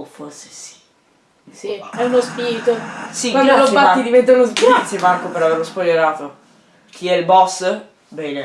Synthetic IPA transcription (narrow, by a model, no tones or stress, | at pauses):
forse̥si̥ | siɛunospiɾit̪osikwand̪olobaid̪ivɛnt̪aunoskiɾit̪sːjemarkopeɾaverlospoljeɾaːt̪o | k̟ʰiɛilbɔs | bɛːne